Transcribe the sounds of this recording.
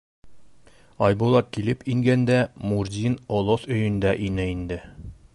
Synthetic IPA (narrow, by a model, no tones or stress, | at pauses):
ɒjbulˠɑt̪̚kilɘpiŋɡænd̪æmuɾd̪ʲinolˠosɵ̆jɵ̆nd̪æʔinɘind̪ɘ